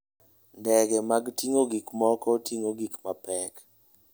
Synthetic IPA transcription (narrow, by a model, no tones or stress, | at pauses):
ndɛɡɛmaɡtiŋoɡikmɔkɔtʰiŋoɡikmapɛk